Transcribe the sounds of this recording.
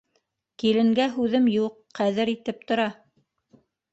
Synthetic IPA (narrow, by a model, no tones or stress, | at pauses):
kilɘ̆ŋɡæɦʉðɘmjuqʰːæðɘɾit̪ɘp̚t̪ŏɾɑ